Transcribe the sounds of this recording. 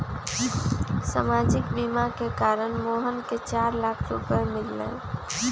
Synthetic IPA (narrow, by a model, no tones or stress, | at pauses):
samaːd͡ʒɪkbimakekaːɾənmoːɦənket͡ʃaːɾlaːkʰɾʊ̰pəmɪlːə̰̃ː